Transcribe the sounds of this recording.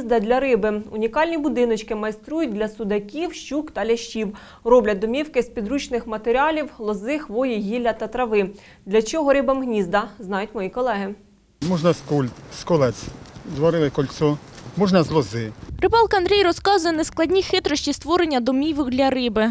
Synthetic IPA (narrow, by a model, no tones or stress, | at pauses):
zd̪ɐd̪ʲlʲɐɾɪbɪʊnʲikɑlʲnʲibʊd̪ɪnɔt͡ʃkɪmɐjst̪ɾujʊt̚ʲd̪ʲlʲɐsʊd̪ɐkʲiwʃt͡ʃukt̪ɐlʲɐʃt͡ʃʲiw | rɔblʲɐd̪ɔmʲiwkɪspʲid̪ɾut͡ʃnɪxmɐt̪eɾʲɑlʲiwlˠɔzɪxʋɔjiɦʲilʲɐt̪ɐt̪ɾɐʋɪ | d̪lʲɐt͡ʃɔɦɔɾɪbɐmɦnʲizd̪ɐznɑjʊtʲmɔjikɔlˠɛɦɪ | mɔʒnɐskulʲt̪skɔlˠɛt͡s̪ʲzʋɔɾɪlˠɪkɔlʲsɔmɔʒnɐzlˠɔzɪrɪbɑlˠkɐɐnd̪ɾʲɛjrɔskɑzʊjɛnɛsklˠɐdʲnʲixɪt̪ɾɔʃʲt͡ʃʲist̪ʋɔɾenʲːɐd̪ɔmʲiʋɪwd̪ʲlʲɐɾɪbɪ